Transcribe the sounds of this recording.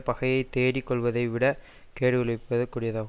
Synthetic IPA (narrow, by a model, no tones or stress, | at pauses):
pɐɣɐjɐɪt̪eːɾikːɔɭʋɐðɐɪʋɪɽɐ | keːɽɯʋɪɭɐpːɐðɐkuːɽɪjɐðaːɣ